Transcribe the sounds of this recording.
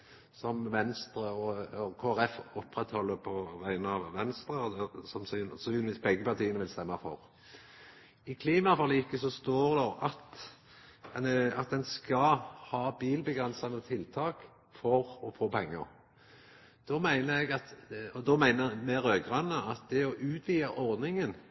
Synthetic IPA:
sɔmʋɛnst̪ɾəɔɔkʰoːæʁɛfɔpːʁɛt̪hɔlːəpʰɔʋæɪnəɑʋʋɛnst̪ʁəd̪ɛsɑmsyːnsɔsɪlʋɪsbɛɡːəpɑʁt̪ʰiːənəʋɪlst̪ɛmːɑfɔ̰ʁ | ɪkʰliːmɑfɔʁliːɪkːəsɔst̪uːʁd̪ɛʁɑt̪ | ɛnəɑt̪̚d̪ɛnskɑhɑːbiːlbəɡʁɛnsɑnət̪ʰɪlt̪ʰɑːk | fɔʁɔfoːpʰɛŋːəɾ | d̪̥ɔmæɪnəɾɛɡɑt̪ɔd̪ɔmæɪnəɾmɛɾøːɡʁɑnːəɑt̪̚d̪ɛɔʔʉːt̪ʋiːɑʔɔʁd̪nɪŋən

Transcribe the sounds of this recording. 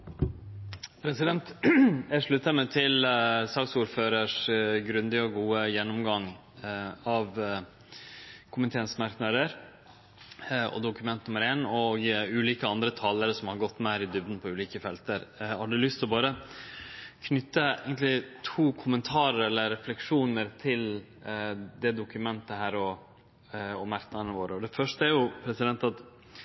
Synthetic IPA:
pʰɾɛsɪd̪ɛnt̪æʂɭʉt̪ːəmɛt̪ʰɪlsɑːɡsuːɾføːɾəʂɡɾʉnd̪ɪɔɡuːəjɛnːɔmɡɑŋ | ɑʋ | kʰʊmət̪ʰeːnsmɑɾknəd̪əɾ | ɔ̰d̪ʊkʉmɛnt̪nʊməɾeːnɔɡʉːliːkəɑnd̪ɾət̪ʰɑːləɾəsɔmhɑɾɡɔt̪ːmæɪɾɪd̪ʉbnpʰɔʉːliːkəfɛlt̪əɾhɑɖʉlʏst̪ɪlɔbɑːɾə | kʰnʏt̪ːəæ̰ɪɡənt̪lɪt̪ʰuːkʰʊmənt̪ʰɑːɾəɾɛlːəɾːɛflɛkʂuːnəɾt̪ʰɪl | d̪ɛd̪ʊkʉmɛnt̪əhæːɾɔ | ɔmɑɾknɑd̪ənəʋoːɾəɔd̪ɛfœʂʈəæɾjʊpʰɾɛsɪd̪ɛnt̪ɑt̪

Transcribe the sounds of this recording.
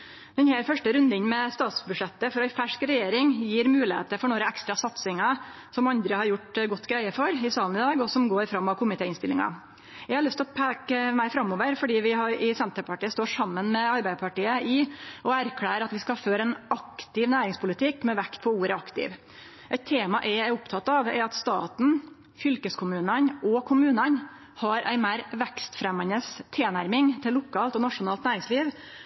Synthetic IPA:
d̪ɛnhæɾfœʂʈəɾʉnd̪əɪnmɛst̪ɑːt̪sbʉʂɛt̪ːəfɔɾɛfæʂkɾɛjeːɾɪŋjiːɾmʉːlɪhḛːt̪əfɔɳoːɾəɛkst̪ɾɑsɑt̪sɪŋɑ | sɔmɑnd̪ɾəhɑɾjʊʈɡɔt̪ːɡɾæɪəfɔɾɪsɑːln̩ɪd̪ɑːɡɔsɔmɡoːɾfɾɑmːɑʋkʰʊmɪt̪ʰeːɪnst̪ɪlɪ̰ŋɑ̰ | jæɡhɑɾɭʉst̪ʰlɔpʰæːkəmæɪfɾɑmːoːʋəɾfɔɖiːʋɪhɑɾɪsɛnt̪əɾpɑʈiːəst̪oːʂɑmːənmɛɑɾbæɪd̪əpʰɑʈiːəʔɪɔæɾkʰɽæːɾəɾɑt̪ʋɪskɑføːɾɛɪnɑkt̪ɪʋnæːɾɪŋspʰʊlɪt̪ʰɪkːmɛʋɛkt̪̚pʰɔuːɾəɑkt̪ɪ̰ʋ | ʔɛɪt̪ʰːeːmɑʔɛɪæɾʊpt̪ʰɑt̪ːɑʋɛ̰ɾɑt̪st̪ɑ̰ːt̪n̩ | fʏlkəskʰʊmʉːnənɔkʰʊmʉːnən | hɑɾʔæ̰ɪmæɪɾʋɛkst̪fɾɛmːɑnəst̪ʰeːnæɾmɪŋt̪ʰɪlːʊkʰɑːlt̪ɔnɑʂʊnɑːlt̪næːɾɪŋsliːʋ

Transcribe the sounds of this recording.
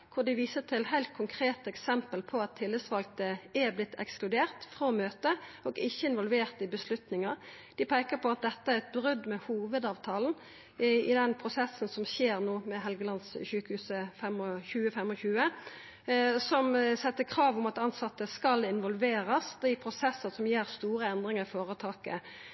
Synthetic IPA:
kʰʊd̪ɪʋiːsət̪ʰɪlhæɪlt̪̚kʰʊŋkʰʁeːt̪ɛksɛmpəlpʰɔɑt̪ʰːɪlːəsʋɑl̚t̪əæblɪt̪ːʰɛ̰ksklʉd̪eːʁt̪fʁoːmøːt̪əɔɡɪçːəɪnʋɔlʋeːʁt̪ɪbəslʉt̪nɪŋɑɾ | d̪̥ɪpʰæɪkəpʰɔɑt̪̚d̪ɛt̪ːəæʁɛt̪̚bʁʉd̪mɛhuːʋəd̪ɑːʋt̪ʰɑːln̩ | ɪd̪ɛnpʰʁʊsɛsːnsɔmɕeːʁnoːmɛɦɛlɡəlɑnsɕʉːkəhʉːsəfɛmɔçʉːəfɛmɔçʉːə | sɔmsɛt̪ːəkʰɾɑːʋʊmɑt̪ɑnsɑt̪ːəskɑlɪnʋɔlʋeːɾɑsd̪ipʰʁʊsɛsːəsɔmjeːʁst̪uːʁəɛnd̪ʁɪŋəʁfoːʁət̪ʰɑːkə̰

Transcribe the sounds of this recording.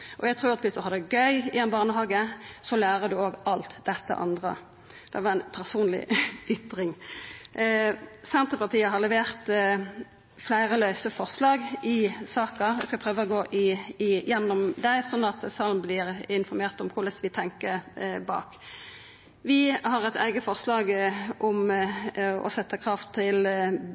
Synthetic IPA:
ʔɔ̰jæt̪ʰʁuːɾɑt̪ʰbɪt̪ːɔhɑd̪əɡœʏɪɛnbɑːnəɦɑːɡəsɔlæːɾəd̪ʉoːɡɑlt̪d̪ɛt̪ːə̰ʔɑ̰nd̪ʁə̰ | d̪̥ɛʋɑʁæɪnpʰæʁsuːnlɪ̰ʔʏt̪ɾɪŋ | sɛnt̪ʁəpɑʁt̪ʰiːəɦɑlɛʋeːʁt̪ | flæɪɾəlœʏsəfɔʁslɑːɡʔɪsɑːkəʋɪskɑlpʰʁøːʋəɔɡoːʔɪɪjɛnːʊmd̪æɪsɔnːɑt̪sɑlmblɪɾɪnfɔɾmeːʁt̪ɔmkʰʊʁlɛst̪ːʋɪt̪ʰɛŋkəbɑ̰ːk | ʋɪhɑʁɛt̪ʰæ̰ɪɡəfɔʁslɑːɡʔɔm | ɔ̰sɛt̪ːəkʰʁɑft̪ʰːɪl

